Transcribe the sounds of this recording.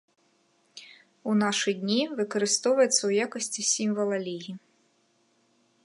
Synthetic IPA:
unɑʃɨdʲnʲiʋɨkɔɾɪst̪ɔwʋɐjet̪sɐujakɔsʲtʲisʲimʲʋɐlˠɐlʲiji

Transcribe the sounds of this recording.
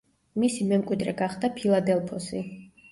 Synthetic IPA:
misimɛmkʼwid̪ɾɛɡaχd̪apʰilˠad̪ɛlˠpʰɔsi

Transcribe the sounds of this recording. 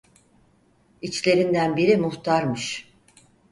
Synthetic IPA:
it͡ʃlʲe̞ɾind̪ænbiɾimuht̪ʰaɾmɯʃ

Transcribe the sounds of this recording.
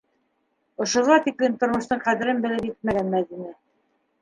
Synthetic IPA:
ŏʃŏʁɑt̪iklint̪ŏɾmŏʃt̪ɤɴqæðɘ̆ɾɘnbɘ̆lɘpjɘt̪̚mæɣænmæðinæ

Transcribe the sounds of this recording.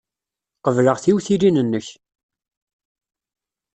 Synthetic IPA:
qəvləʁθiwθilinənːəç

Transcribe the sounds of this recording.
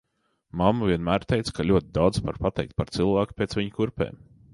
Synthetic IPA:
mamːaviɛnmæːɾt̪ɛjt̪skʰalʲuɔt̪̚ʲɪd̪awd̪zva̰ɾpat̪ɛ̰jk̚t̪̚paɾt̪sɨlˠvæːkpʲeːt̪svʲiɲkuɾpɛ̰ːm

